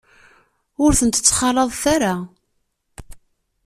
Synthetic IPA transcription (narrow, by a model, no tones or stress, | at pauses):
ʊɾθənt̪ə̥t͡sːχɑləðˤθaɾa